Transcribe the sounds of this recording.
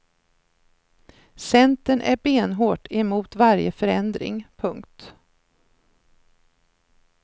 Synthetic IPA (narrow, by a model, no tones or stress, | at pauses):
sɛnt̪ənʔæ̰ɾbeːnɦoːʈɛmuːt̪vaɾjəfœɾɛnd̪ɾɪ̰ŋpʰɵŋkt̪